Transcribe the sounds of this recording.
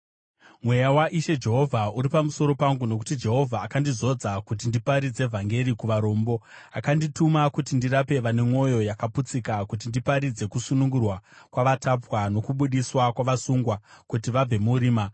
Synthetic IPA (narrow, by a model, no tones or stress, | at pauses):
mwe̞jawaʔiʃe̞d͡ʒe̞ɦo̞vʱauɾipamuso̞ɾo̞paŋɡuno̞k̬u̥tid͡ʒe̞ɦo̞vʱaːkandizo̞d͡zakut̬indipaɾid͡ze̞vʱaŋɡe̞ɾikuʋaɾo̞ːmbo̞akanditumakutindiɾape̞ʋane̞mo̞jo̞jakaput͡sikakut̬indipaɾid͡ze̞kusunuŋɡurwakwaʋatapwano̞kuɓuɗiswakwaʋasuŋɡwakutiʋab͡ve̞muɾiːma